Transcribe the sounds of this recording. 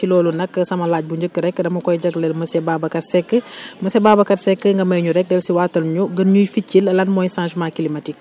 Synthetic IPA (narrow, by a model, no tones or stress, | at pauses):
ilɔːlunɐkːəsɐmɐlaːɟ̚buɲɟəkːəɾɛkːdɐmɐkɔjɟɐɡlɛlməsɛbabɐkɐtsɛkːəmɐsɛbaːbɐkɐtsɛkːəŋɡɐmɐjɲuɾɛk̚dɛlsiwaːtɐlɲuɡənɲujficːilɐlɐnmɔjsãnʃmaːkilimɐtik̚